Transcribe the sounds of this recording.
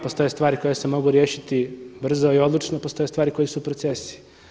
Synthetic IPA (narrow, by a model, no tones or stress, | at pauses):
po̞st̪o̞jest̪vʋaːɾiko̞jesemo̞ɡuɾjeːʃit̪ibr̩zoio̞d̪lˠut͡ʃnopost̪o̞je̞st̪ʋaːɾiko̞jesupɾot̪se̞si̥